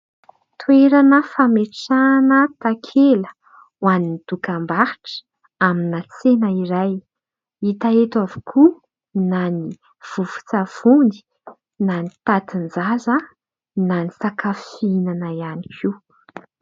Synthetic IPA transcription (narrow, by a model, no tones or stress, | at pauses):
t̪ueɾanəfameʈ͡ʂanət̪akʰelə | wanind̪̥ukambaɾi̥ʈ͡ʂ | aminat͡senəiɾaj | it̪aet̪avu̥kʰu | nani | v̥uv̥u̥t͡sav̥und̪i̥ | nanit̪at̪ind͡zaza | nanisakafinanajanikʰi